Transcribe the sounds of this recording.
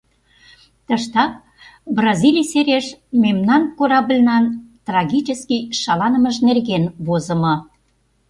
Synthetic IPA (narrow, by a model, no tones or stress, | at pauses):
t̪əʃt̪ɑk̚ | brɑzilʲijseɾeʃmemnɑnkoɾɑblʲnɑnt̪rɑɣʲit͡ɕəskiʃɑlɑnəməʒnerɣenβozə̆mɤ̆